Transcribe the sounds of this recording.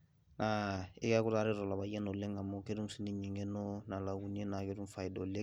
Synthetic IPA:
na˨ḭ˦ka˦ku˦taː˦ɾe˦dɔ˨la˨ba˨jɛ˦nɔ˨lẽ˦ŋɡa˨mɔ˨ke˦dũ˦si˦ni˦ɲi˨ŋɡɛ˦nɔ˦na˨la˨ɡu˨ni˦e˦na˨ke˦dũ˦fa˨i˨dɔ˨le˦

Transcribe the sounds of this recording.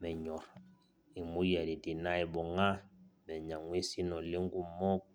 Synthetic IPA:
mɛ˨ɲɔ˨ɾ | i˨mu˦jɛ˨ɾi˨ti˨na˦i˨bɔ˨ŋa˦mɛ˨ɲa˨ŋwi˦si˦nɔ˨li˦ŋɡu˦mɔ˦k

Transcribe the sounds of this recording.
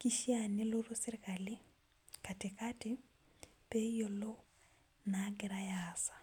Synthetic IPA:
ki˦ʃjane˦lo˦ɾo˦sɪ˦ɾɪ˦kali˦ | kate˨kati | pe˦jo˨lo˦ | naɡɪɾajasḁ˨

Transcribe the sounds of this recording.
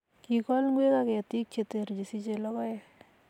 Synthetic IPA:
ki˨kɔ˦lŋɡwe˦kakɛ˨ati˦k̚t͡ʃe˨t̪e˨ɾd͡ʒi˨si˦t͡ʃelɔ˦kɔ˦e

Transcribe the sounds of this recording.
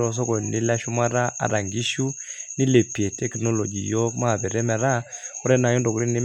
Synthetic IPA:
o˨s̬o˦ko˨ni˦la˦ʃu˦ma˦ɾa˦a̰˨ɾa˨ŋɡi˦ʃu˦ni˦le˨pi˨e˨tɛ˦kno˦lo˨d͡ʒḭ˨jo˦kma˦˨bɛ˨ɾɛ˦mɛ˨ɾa˦ku˦ɾɛ˦na˨jɔ˦ndo˨ku˦ɾi˦ni˦

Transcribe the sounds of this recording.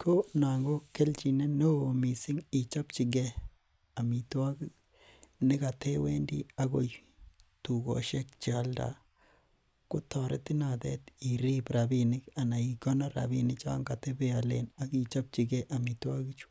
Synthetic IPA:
kʰo˦na˨ŋɡo˦kːe˦lt͡ʃi˨ne˦no˦o˨mi˨si˦ŋi˨t͡ʃa˦pt͡ʃi˨ɡɛ˦ | a˨mi˨twa˦ɡi˦ | nɪ˦ka˨tʰe˦we˦ndḭ˦a˦ɡo˨j | tu˨ɡo̰˨ʃe˦k̚t͡ʃa˦lda̰˨ | ko˦tɔ˨ɾḛ˦ti˦na˨dɛ̰˦ti˨ɾi˦bɾabinɪ˦ka˨na˨i˨kɔ˦na˦ɾa̰˨bi˦nit͡ʃa˦ŋɡa˨te˦be˦a˨lḛna˦ki˨t͡ʃa˦p̚t͡ʃi˨ɡɛ˦ʔa˨mi˨twa˦ɡi˦t͡ʃu̥˦

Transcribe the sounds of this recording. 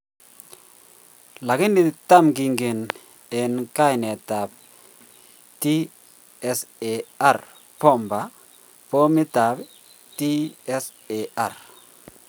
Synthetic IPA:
la˨ɡɪ˦ni˨ta˦˨mɡi˨ŋɡe˨n | e˨nka˦jnɛ˨ta˨b̚ | ti˦ | ɛ˦se˨a˦˨r | pɔ˦˨mba˨ | po˦mi˦ta˨b | ti˦ɛ˦s | e˨a˨r

